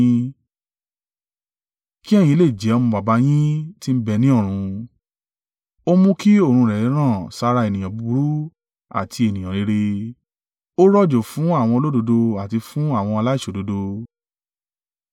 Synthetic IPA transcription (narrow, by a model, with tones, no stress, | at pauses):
ki˦ɛ˦˨jĩ˧˨le˦˨d͡ʒɛ˨˦ɔ˧mũ˧ba˨ba˧˦j̃ĩ˦ti˦m̩˦bɛ˧nĩ˦ɔ˦˨ɾ̃ũ˧ | o˦mũ˦ki˦o˦˨ɾ̃ũ˧ɾɛ˨i˨˦ɾ̃ãː˦˨sa˧ɾa˧e˨nĩ˨ã˨bu˨˧˦bu˨˦ɾu˦ | a̰˨tʰi˧e˨nĩ˨j̃ã˨ɾe˨˧ɾe˧ | o˦ɾɔ˦˨d͡ʒo˨fũ˨˦a˦˨w̃ɔ̃˧o˧lo˦do˧do˧a˨ti˧fũ˦a˦˨w̃ɔ̃˧ɔ˧la˦i˦˨ʃo˨do˨˧˦do˧